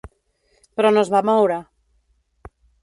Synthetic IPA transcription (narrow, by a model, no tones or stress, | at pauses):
pɾonozβamowɾa